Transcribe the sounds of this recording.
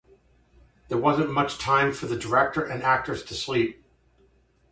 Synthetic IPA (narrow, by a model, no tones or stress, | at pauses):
ðə˞wʌzɨ̃nmʌt͡ʃtʰãɪ̃ɱfə˞ðɨdə˞ɛk̚tə˞ʔɨ̃næk̚tə˞z̥tʰɨslip̚